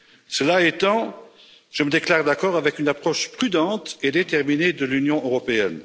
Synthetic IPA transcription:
səlaet̪ɑ̃ | ʒ̥əməd̪eklaʁd̪akɔʁavɛkynapχɔʃpχyd̪ɑ̃t̪ed̪et̪ɛʁmined̪əlynjɔ̃øʁɔpeɛn

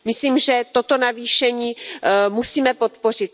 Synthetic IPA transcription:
mɪsliːmʒɛt̪ot̪o̞naviːʃɛɲiːmusiːmɛpo̞t̪po̞r̝ɪt̪̚

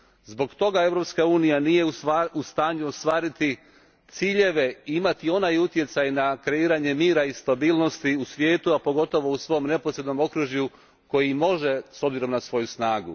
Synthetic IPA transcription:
zbo̞ɡt̪o̞ɡae̞vɾopskauːnijanije̞uaust̪aːɲuost̪ʋaːɾit̪i | t̪siːʎe̞ʋe̞iimat̪io̞najut̪je̞t̪sajnakɾe̞iːɾaɲe̞miːɾaist̪abiːlno̞st̪iusʋje̞ːt̪uapo̞ɡo̞t̪o̞ʋo̞usʋo̞jomne̞posɾe̞d̪no̞mo̞kɾuʒju | ko̞jimo̞ʒe̞so̞bziɾo̞mnasʋo̞jusnaːɡṵ

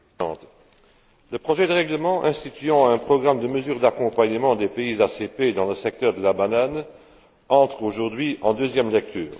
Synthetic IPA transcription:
ɑ̰̃ːt̪ | ləpχɔʒɛd̪əʁɛɡləmɑ̃ʔɛ̃st̪it̪yɑ̃ɛ̃pχɔɡʁamd̪əməzyːʁd̪akɔ̃paɲəmɑ̃d̪epeizaseped̪ɑ̃ləsɛk̚t̪œʁd̪əlabanan | ɑ̃t̪χoʒuʁd̪ɥiɑ̃d̪øzjɛmlɛk̚t̪ʰy̰ːʁ

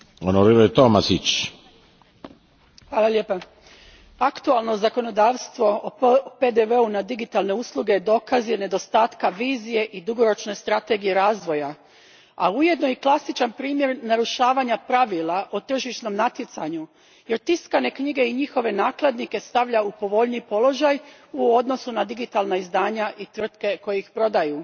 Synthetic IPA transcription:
onoɾiɾojt̪omasit͡ʃ | hʋaːlˠalʲeːpa | akt̪ualˠno̞zako̞no̞d̪aːʋst̪ʋo̞oped̪eʋeunad̪iɡit̪alne̞uslˠuɡe̞jd̪o̞ːkazjene̞d̪o̞st̪aːt̪kaʋiːzije̞ʔid̪uɡo̞ɾo̞t͡ʃne̞st̪ɾat̪e̞ɡijeɾaːzʋo̞ja | a̰uje̞d̪no̞iklˠasit͡ʃanpɾiːmje̞ɾnaɾuʃaːʋaɲapɾaʋilˠaʔot̪r̩ʒiʃno̞mnat̪jet̪saɲu | jeɾt̪iskane̞kɲiɡe̞iɲixo̞ʋe̞naːklˠed̪nike̞st̪aʋʎaupo̞ʋo̞ʎniːpo̞lˠo̞ʒaj | uo̞d̪no̞sunad̪iɡit̪alˠnaizd̪aːɲaʔit̪ʋr̩t̪ke̞ko̞jeixpɾo̞d̪aju

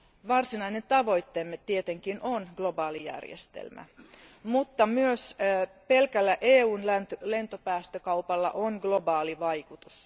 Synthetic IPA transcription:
ʋɑrsinɑinet̪t̪ɑʋo̞jt̪ːemːet̪tːiet̪eŋkinonɡ̥lo̞bɑːlijæ̰rjḛst̪ḛlmæ̰mut̪ːɑmyøspe̞lkælːæʔeːuːnlæt̪le̞nt̪opæːst̪økɑupɑlːɑ̰ʔonɡlo̞bɑːliʋɑjkut̪us

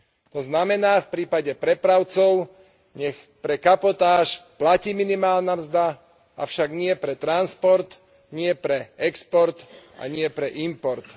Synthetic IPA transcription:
t̪ɔznamɛnaːfpɾiːpaɟɛpɾɛpɾaʊt͡sɔʊ | ɲɛx | pɾɛkapɔt̪aːʃplaciːminimaːlnamzd̪a | aʊʃaɡɲɪɛpɾɛt̪ɾanspɔɾt̪ | ɲɪɛpɾɛɛkspɔɾt̪ʔa̰ɲɪɛpɾɛʔimpɔɾt̪

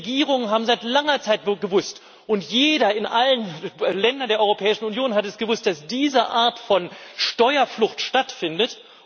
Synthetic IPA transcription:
ɡiːʁʊŋənɦaːbm̩zaɪtlaŋɐt͡saɪt̚ɡəvʊst | ʔʊntjeːɾɐɪnʔalənlɛndɐndeɐɔʏʁopʰɛːɪʃn̩unjoːnɦatɛsɡ̥əvʊst̚d̥asd̥iːzəʔaːɐtfɔnʃtɔʏɐflʊxtʃtatfɪndət

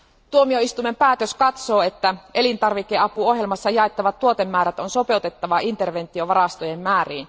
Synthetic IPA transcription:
t̪uomio̞ist̪ume̞mpæːt̪øskɑt̪so̞ːe̞t̪ːæʔe̞lint̪ɑrʋikːe̞ɑpuo̞ɦje̞lmɑsːɑjɑet̪ːɑʋɑt̪ːuo̞t̪e̞mːæːɾæt̪onso̞pe̞ut̪e̞t̪ːɑʋɑʔint̪e̞rʋe̞nt̪ːˑio̞ʋɑrɑst̪ojemːæːriːn

